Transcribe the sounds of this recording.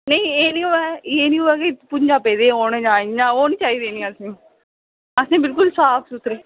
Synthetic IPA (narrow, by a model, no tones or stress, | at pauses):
nɐĩeːnĩːoʋɛjeːnĩːɦuʋɛkepʊɲd͡ʒapeːd̪eoːned͡ʒãːɲãoːnit͡ʃaːid̪eːnĩɐsnẽ | ɐsnẽːbɪlk̬ʊlsaːpʰsʊt̪ɾe